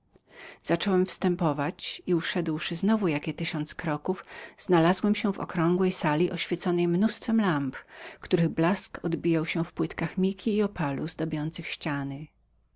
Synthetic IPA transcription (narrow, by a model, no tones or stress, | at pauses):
z̥at͡ʂɔwɛmfst̪ɛmpɔvat͡ɕiuʂɛd̪wʂɘznɔvujakʲɛt̪ɘɕɔnt̪skɾɔkufz̥nalazwɛmɕɛvɔ̰kɾɔ̃ŋɡwɛjsalʲiʔɔɕfʲjɛt̪sɔnɛjmnust̪fɛmlampkt̪uɾɘɣblaskɔd̪bʲijawɕɛ̃fpwɘt̪kaxmʲikʲiːɔpʰaluzd̪ɔbʲjɔnt̪sɘxɕt͡ɕanɘ